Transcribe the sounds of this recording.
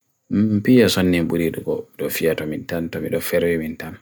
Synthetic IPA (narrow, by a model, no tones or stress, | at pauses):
mpijasonːimbuɾiɗuɡɔɗɔfijatɔmintantɔmiɗɔfɛɾwɛmintan